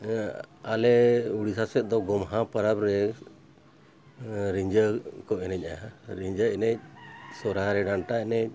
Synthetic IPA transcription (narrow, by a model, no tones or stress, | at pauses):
alɛuɽisasɛt̪̚ˀd̪ɔɡɔmɦãpəɾabɾɛ | ɾiɲd͡ʒəkɔʔɛnɛc̚ˀaɦaɾiɲd͡ʒəɛnɛc̚sɔɾaɾɛɖaɳʈaɛnɛc̚